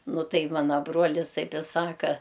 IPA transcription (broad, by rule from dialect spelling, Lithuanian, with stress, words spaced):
ˈnʊ ˈtɐɪ ˈmɑːnɐ ˈbruɔlʲɪs ˈtɐɪp ɪ ˈsɑːkɐ